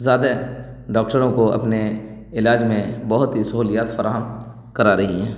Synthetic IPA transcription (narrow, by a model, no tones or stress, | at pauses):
zaːd̪a | ɖaːk̚ʈəɾõkoʔɐ̰pne | ɪlaːd͡ʒmẽbɐɦʊt̪ɦisɐɦuːlijaːt̪fɐɾaːɦəm | kɐɾaɾɐɦiɦɛ̃ː